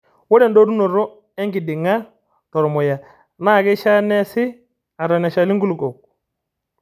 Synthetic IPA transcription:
wɔ˦ɾɛ˨ndo˦ɾu˦no˨ɾɔ˦ | ɛ˦ŋɡi˨dɪ˨ŋa˦ | tɔ˨ɾmɔ˨ja˨ | na˦˨ɡɛ˦ʃa˦nɛ˦sɪ˦ | a˨ɾɔ˨nɛ˨ʃa˨li˦ŋɡu˦lkɔ˨k̚

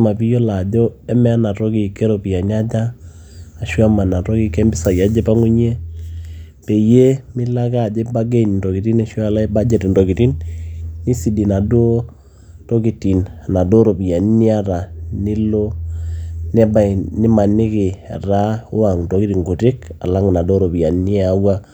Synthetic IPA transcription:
ma˨pi˦jo˦la˨d͡ʒɔ˦ɛ˦mɛ˦a˦na˨to˦ki˨kɛ˦ɾo˨pi˨a˨n˦a˦d͡ʒaː˦˨ | ʃa˦ma˨na˨tɔ˦ki˨˦kɛ˦mbɪ˦sa˨ja˦d͡ʒe˦pa˦ŋu˦ɲ˦e˦ | pe˨je˦mɪ˦la˦ka˦˨d͡ʒɛ˦ba˦ɡe˦˨n˨ndo˨ki˨ti˦nɛ˦ʃa˦˨la˦i˦ba˦d͡ʒɛ˨ti˨ndo˨ki˨ti˦nː | i˦si˨di˨na˨do˦ | to˦ki˨ti˨na˨na˨do˦ɾo˨pi˨ja˨n˦ni˦a˦ɾa˨nɪ˦lo˦ | nɛ˦ba˨nɪ˦ma˨nɪ˦kɪ˨a̰˨ɾa˦ʊ˦wa˨ŋnto˨ki˦ti˨ŋɡu˨tɪ˦ka̰˨la˦ŋ˨na˨do˦ɾo˨pi˨ja˨ni˦a˦wa˦

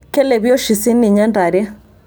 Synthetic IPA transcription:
kɛ˦lɛ˨bjɔ˦ʃi˨si˦ni˨ɲɛ˦nda˨ɾɛ˦

